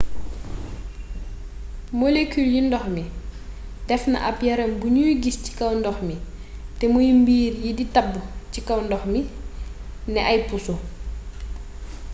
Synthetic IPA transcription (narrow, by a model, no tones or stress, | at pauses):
molekyljindɔxmi | d̥ɛfnɐ̰ʔɐpjɐɾɐmbuɲujɡisci̥kɐwndɔxmi | tɛmujimbiːrjiditɐbːucikɐwndɔxmi | nɛʔɐjpusu